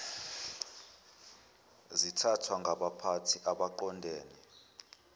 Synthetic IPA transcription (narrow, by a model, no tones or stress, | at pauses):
zitʰatʰwaŋʱaɓapʰatʰiʔaɓaǃɔndʱeːni